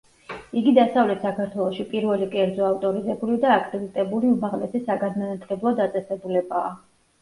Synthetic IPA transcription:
iɡid̪asavlɛt̪ʰsakʰaɾt̪ʰwɛlˠɔʃipʼiɾvɛlikʼɛɾd̪zɔaft̪ʼɔɾizɛbulid̪aːkʼɾɛd̪it̪ʼɛbuliumaʁlɛsɛsaɡanmanat̪ʰlɛblˠɔd̪at̪sʼɛsɛbulɛbaː

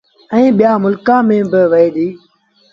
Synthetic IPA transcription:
ɛ̃ːɓɪjaːmʊlkãːmẽːbɪʋəiːɗiː

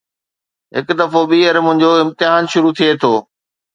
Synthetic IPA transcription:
ɦɪkd̪ɐfoɓiːɐɾmʊ̃ɦɪ̃ɲd͡ʑoɪ̃mt̪ɪɦaːnʃʊɾut̪ʰiet̪ʰoː

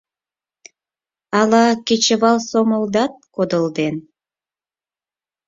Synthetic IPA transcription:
ɑlɑket͡ɕə̆βɑlsoməld̪ɑt̪̚kod̪əld̪en

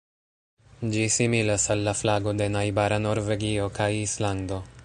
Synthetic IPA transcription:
d͡ʒisimilasalːaflaɡo̞d̪e̞najbaɾano̞ɾve̞ɡio̞kʰajislando̞

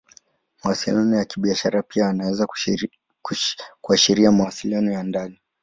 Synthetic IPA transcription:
mawasilianɔjakiɓiaʃaɾapiaːnawɛza | kuaʃiɾiamawasilianɔjandani

